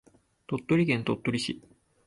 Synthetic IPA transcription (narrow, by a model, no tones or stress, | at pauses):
t̪o̞t̪ːo̞ɾʲiɡẽnt̪o̞t̪ːoɾʲiɕi